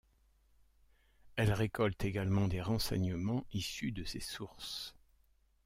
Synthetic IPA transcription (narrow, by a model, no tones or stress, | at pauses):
ɛlʁekɔlt̪eɡalmɑ̃d̪eʁɑ̃sɛ̰ɲəmɑ̃isyd̪əsesuʁs